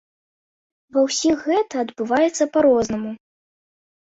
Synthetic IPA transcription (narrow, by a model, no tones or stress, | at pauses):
vɐwsʲixːɛt̪ɐːd̪bɨvajɛt̪sːɐpaɾɔznɐmu